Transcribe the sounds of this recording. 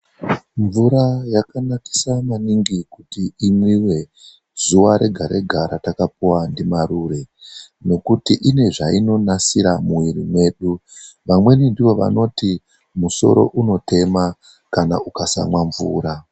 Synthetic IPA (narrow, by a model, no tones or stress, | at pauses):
ɱvuɾajakanaki̥samaniŋɡikutiimwiwe̞ | zuwaɾe̞ɡʱaɾe̞̰ɡʱaɾatakapuwandimaɾure̞no̞kutiʔine̞ʐaino̞nasiɾamuwiɾimwe̞ɗuʋamwe̞nindiʋo̞ʋa̰no̞ti | muso̞̰ɾo̞̰ʔuno̞tʰe̞ma | kana̰ukasa̰mwaɱvuːɾa